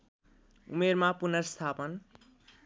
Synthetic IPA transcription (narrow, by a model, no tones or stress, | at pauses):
ṵmermapunʌst̪ʰapʌn